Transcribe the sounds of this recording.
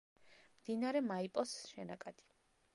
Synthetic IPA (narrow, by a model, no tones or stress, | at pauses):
md̪̥inaɾɛmaipʼɔsʃɛnakʼad̪̥i̥